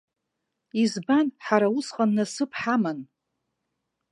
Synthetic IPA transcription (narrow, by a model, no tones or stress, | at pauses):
izbanħaɾausχanːasɨpʰħaman